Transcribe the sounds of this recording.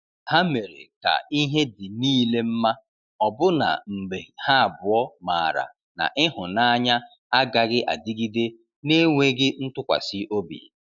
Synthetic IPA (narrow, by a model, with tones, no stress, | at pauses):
ha˦me˨ɾḛ˨ka̰˨i˦ɦe˦dɪ˨niː˦le˦m̩˦ma˦ | ɔ˨bʊ˦na̰˨m̩˨ɡ͡be˨ha˦a˨bʊ˨ɔ˦ma˨ɾa̰˨ | na̰˨ʔɪ˦ɦʊ˨na˦ɲa˦ | a˦ɡa˨ɡɪ˦ʔa˨dɪ˦ɡi˦de˦ | ne˦ŋʷe˦ɡɪ˦n̩˦tʊ˦kʷa̰˨sɪ˦ʔo˦bḭ˨